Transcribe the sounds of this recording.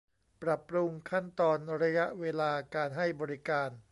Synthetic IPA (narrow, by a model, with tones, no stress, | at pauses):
pɾa˨˩pːɾu˧ŋkʰa˥˩nt̪ɔː˧nɾa˧ja˦˥ʔweː˧laː˧kaː˧nɦa˥˩jbɔː˧ɾi˦˥kaː˧n